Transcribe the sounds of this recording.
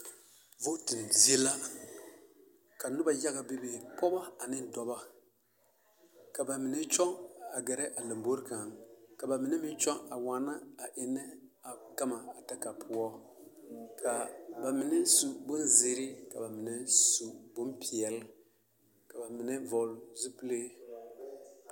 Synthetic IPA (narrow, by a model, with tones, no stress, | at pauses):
vo˦tɨ˨n˨zɛ˦la˦ | ka˨nʊ˦ba˨ja˦ɡa˨be˦be˨pɔ˦ba˦a˨nɪ˦n˦dɔ˨ba˦ | ka˨ba˨mɪ˨nɛ˦t͡ʃɔ˦ŋa˨ɡɛ˨ɾɛ˦ʔa˨lɨ˨mbo˦ɾka˨ŋka˨ba˨mɪ˨˦nɛ˦mɪ˦n˦t͡ʃɔ˦ŋa˨wa˨˦na˦a˨ʔɪ˨nːɛ˦a˨ka˦ma˨a˨ta˦ka˨pʰʊ˦ɔ˦ | kʰa˨ba˨mɪ˦nɛ˦su˨bʊ˦nzi˦ɾɪ˦ka̰˨ba˨mɪ˨nɛ˦su˨bo˦mpi˨ɛ˨l | ka˨ba˨mɪ˨nɛ˦vɔ˨lzu˦pɨ˦le˦